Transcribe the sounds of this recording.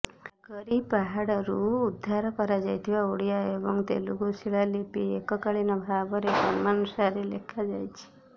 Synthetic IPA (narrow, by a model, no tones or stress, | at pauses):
ɡ̥əɾipaɦaɽɾuːd̪ʱːaɾpəɾad͡ʒajt̪ʰiʋaoɽijaebɔŋɡt̪ḛluɡusiɭalipiekɔkaɭinabʱabəɾekɔnmanusaɾelḛkʰad͡ʒajt͡ʃʰi̥